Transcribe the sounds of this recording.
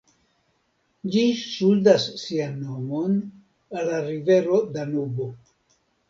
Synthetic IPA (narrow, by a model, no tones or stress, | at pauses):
d͡ʒisuldasːianːo̞mo̞n | alːaɾive̞ɾo̞danubo